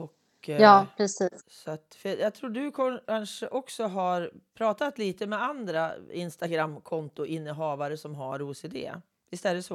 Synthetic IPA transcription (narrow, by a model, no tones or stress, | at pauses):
ɔkː | jɑːpʰɾɛsiːssɔat̪fœjɑːɡt̪ʰɾuːɖɵkʰɔkʰanʂəʔɔksɔɦaɾpʰɾɑːt̪at̪liːt̪əmɛand̪ɾaɪnst̪aɡɾamːkʰɔnt̪ʊʔɪnːəɦɑːvaɾəsɔmɦaɾuːseːd̪ḛː | ɪst̪ɛlːəsɔ